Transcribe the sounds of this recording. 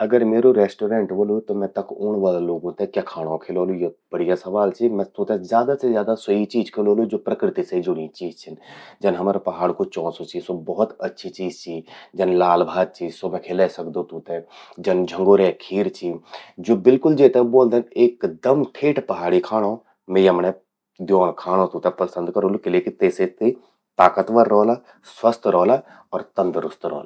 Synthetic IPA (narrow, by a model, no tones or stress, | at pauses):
ɐɡəɾmeːɾoɾɛːsʈoːɾẽːɳʈboːlot̪omɛ̃ːt̪ɐkʊːɳʋaːlaloːɡõt̪ẽkjaːkʰaːɽ̃õkʰeːloːlujeb̥əɽijasɐʋaːlt͡ʃʰimɛ̃t̪uːt̪ẽzjaːd̪asezjaːd̪asəit͡ʃiːd͡ʒkʰeːloːlud͡ʒoːpɾəkɾɪt̪iseid͡ʒʊnĩt͡ʃiːzt͡ʃʰɪnd͡ʒɐnɦəmɾpɐɦaːɽkot͡ʃɔ̃ːsot͡ʃʰisobɔɦʊt̪ɐtːʃʰit͡ʃiːd͡ʒt͡ʃʰid͡ʒɐnlaːlbʱaːd̪̚t͡ʃʰiːzsomɛ̃kʰeːlesɐkd̪õt̪uːt̪ẽd͡ʒɐnd͡ʒʱə̃ŋɡoːɾekʰiːɾt͡ʃʰiːd͡ʒoːbɪlkʊld͡ʒeːt̪ɛboːld̪eneːkd̪ɐmʈʰeːʈpɐɦaːɽikʰaːɽ̃o | mejəmne | d̪joːnkʰaːɽ̃õt̪ũːt̪ɛpəsə̃nd̪kəɾõːlokɪleːkit̪eːset̪e | t̪aːkət̪ʋəɾːɔːlaː | swəst̪ʰɾɔːla | ɔːɾt̪ə̃nd̪ɾʊst̪ɾɔ̰ːla